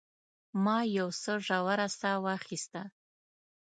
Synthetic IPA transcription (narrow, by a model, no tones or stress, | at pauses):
mɑjawsəʐawaɾasawaχist̪a